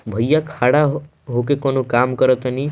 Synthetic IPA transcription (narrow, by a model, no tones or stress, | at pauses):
bʱəjjakʰaɽa | ɦokekonokamkəɾət̪ni